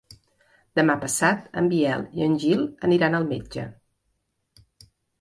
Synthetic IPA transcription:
d̪̥əmapəsat̪ə̰mbiɛlˠiənʲʒilˠəniɾanəlˠmed͡ʒə̰

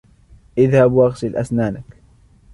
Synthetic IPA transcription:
ʔɪðhabwʔaɣsɪlʔa̰snaːnak

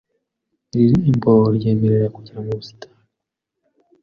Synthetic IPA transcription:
ɾiɾiːmboɾjeːmeɾeɾakuɟiɾamuβusi̥tʰḁːn

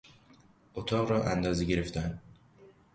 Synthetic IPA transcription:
ʔot̪ʰɒːɣɾɒːʔænd̪ɒːzeɡeɾeft̪ʰænd̪

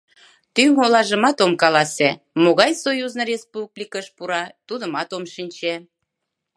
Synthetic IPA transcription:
t̪yŋolɑʒəmɑt̪omkɑlɑse | moɣɑjsojuznərespublʲikəʃpuɾɑt̪ud̪əmɑt̪omʃinʲt͡ɕe

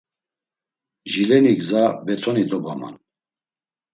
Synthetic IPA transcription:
ʒilɛniɡzabɛt̪ʰɔnid̪ɔbama̰n

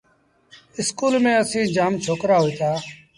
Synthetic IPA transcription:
ɪskuːlmẽːəsĩːd͡ʒaːmt͡ʃʰoːkɾaːɦʊiːt̪aː

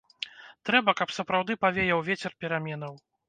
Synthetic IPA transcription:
t̪ɾɛbɐkɐpsɐpɾawd̪ɨpavʲejɛwvʲet͡sʲɛrpʲɛɾamʲɛnɐw

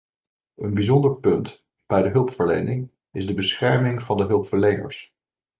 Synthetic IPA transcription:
ənbizɔndəɹpɵnt | b̥ɛjdəɦɵlˠpfəɹlejnɪŋ | ɪzdəbəsχɛɹmɪŋv̥ɑndəɦɵlˠpfəɹlejnə̰ɹs

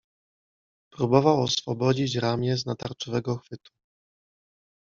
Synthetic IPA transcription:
pɾubɔvawɔsfɔbɔd͡ʑit͡ɕɾamʲjɛznat̪aɾt͡ʂɔvɛɡɔxfɘt̪u̥

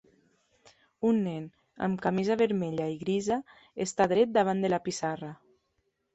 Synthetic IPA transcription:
unːɛn | a̰mkamizaβeɾmeʎaiɣɾiza | est̪aðɾɛt̪̚d̪aβ̞and̪elapisara

